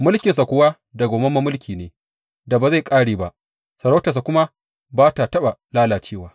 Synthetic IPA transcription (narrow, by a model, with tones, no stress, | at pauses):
mʊ˦lkʲɪ˨ns̬a˨kʷʊ˦wa˦ | da˨ɡʷoː˨mɐ˦mɐ˦mʊ˦lkʲʰiː˨neː˨˦ | da˨ba˨za˦˨jkʼaː˦ɽeː˨ba˦˨ʔ | sɐ˨ɾa˦tɐ˨s̬a˨kʷʊ˦ma˦ | baː˦ta˨tɐ˦ɓa˨laː˦laː˨t͡ʃeː˦˨waː˦